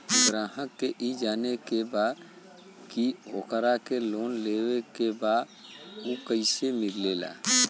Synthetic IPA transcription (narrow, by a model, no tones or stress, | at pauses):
ɡɾaːɦəkːeʔid͡ʒaːnekebaːd̪ | kio̰kəɾakeloːnleːwekebaːd̪ | ukəɪsemɪɾlela̰ː